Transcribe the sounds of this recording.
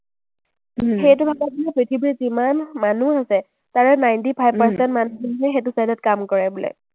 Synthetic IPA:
xejt̬ʊbʱakat̚ilɛpɹitʰibɹizimanmanuɦasɛ | taɹɛnajntipʰajbpaɹsɛntmanuɔɦɛjxet̬ʊsadɔtkamkɔɹɛbulɛ̰

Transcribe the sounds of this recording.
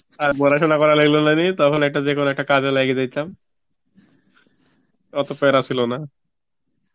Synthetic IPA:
abɔɾaʃonakɔɾalaɡilonanit̪ɔkʰonɛk̚ʈad͡ʑekʰonoɛk̚ʈakad͡ʑalajɡed͡ʒajt͡ɕʰam | ɔt̪opɔɾasilona

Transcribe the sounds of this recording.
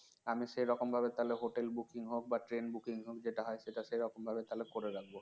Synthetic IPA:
amiʃejɾɔkombʱabet̪aleɦoʈelbukiŋɦok̚baʈɾenbukiŋɦok̚d͡ʑeʈaɦɔeʃeʈaʃejɾɔkombʱabet̪alekoɾeɾak̚ʰbo

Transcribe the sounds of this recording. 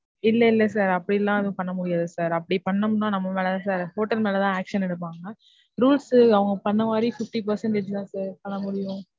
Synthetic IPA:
ɪlːɐɪlːɛsaːɾɐpːɐɽiɪlːãːɪɛðʊ̃pɐɳːɐmʊɽɪjaːðɯsaːɾɐpːɐɽipɐɳːɐmʊnːãːnɐmːɐmeːlɐt̪ãːs̬aːɾhoːʈɐlmeːlɐt̪ãːaːkʂɐnɛɽɯpːaːŋɡɐ | ɾuːlsɐʋɐŋɡɐpɐɳːɐmaːd̪ɾifɪfʈip̬ɐɾsɛɳʈɛt͡ʃɯt̪ãːsaːɾpɐɳːɐmʊɽɪjʊ̃

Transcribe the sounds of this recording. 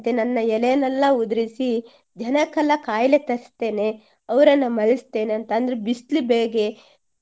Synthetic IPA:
t̪enɐnːɐɛlejɐnɐlːɐud̪ɾisi | d͡ʒɐnɐkɐlɐkaːjlet̪ɐɾst̪e̞ːne̞ | ɐʋɾɐnːɐmɐɭist̪e̞ːneɐnt̪ɐːnd̪ɐɾebist̪libeːɡe

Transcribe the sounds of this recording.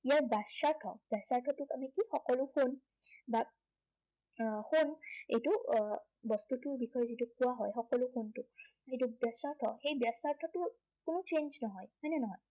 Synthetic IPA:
ijaɹbasaɹtʰɔ̰b̥jasaɹtʰɔtʊkamikixɔkɔlʊxun | ba | xunḛjtʊ | bɔst̪utʊɹbixɔjɔzitukʊwaɦɔjxɔkɔlʊxuntʊ | ejtubjasaɹtʰɔ̰xejbjasaɹtʰɔtʊ | kʊnʊt͡ʃenznɔɦɔjmɔjnɛnɔɦɔj

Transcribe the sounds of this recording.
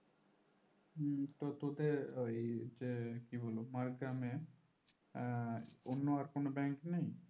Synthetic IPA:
t̪ot̪od̪eejd͡ʒekibʱolomaɾɡɾame | onːoaɾkonobɛŋknej

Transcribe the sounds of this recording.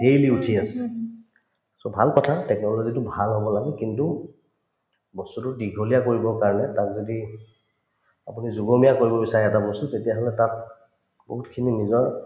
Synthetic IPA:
dejliutʰiasɛ̥ | sɔbʱalkɔtʰatɛknɔlozitʊbʱalɦobɔlaɡɛkintu | bɔstutʊdiɡʱolijakoɹibɔkaɹɔnɛtakzodi | apunizuɡomijakoɹibɔbisaɹɛɛtabɔstutetijaɦɔlɛtat̚ | bo̰ɦutkʰininizɔɹ

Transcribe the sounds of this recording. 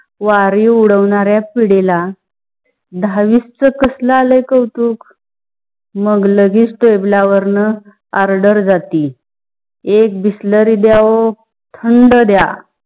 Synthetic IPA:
ʋaɾiuɽəʋɳaɾjapiɽela | d̪ʱaʋist͡səkəsləaləjkəwt̪uːk | məɡləɡiːt͡sʈojblaʋəɾnə | aɾɖəɾd͡zat̪i | ek̚bisləɾid̪jao | t̪ʰəɳɖəd̪ja

